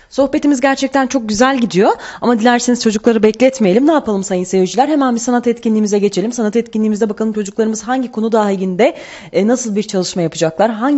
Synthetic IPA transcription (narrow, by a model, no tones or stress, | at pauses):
so̞hpet̪ʰimizɟæɾt͡ʃʰɛc̚t̪ʰænt͡ʃʰo̞k̚ɟyzælʲɟid̪ijo̞amad̪ilʲæɾsiniz̥t͡ʃʰo̞d͡ʒuklˠaɾɯbɛclʲɛɛt̪mejelʲimnaːpʰalˠɯmsajɯnse̞vid͡ʒilʲæɾɦe̞mænbisanat̪ɛt̪cinlʲiːmizɛɟe̞t͡ʃʰe̞lʲimsanat̪ɛt̪̚cʰinlʲiːmizd̪ɛbakʰalˠɯmt͡ʃʰo̞d͡ʒuklˠaɾɯmɯz̥ɦaɲɟikʰo̞nud̪aɡind̪ɛ | nasɯlˠbiɾt͡ʃʰalˠɯʃmajapʰɯd͡ʒaklˠaɾɦaɲ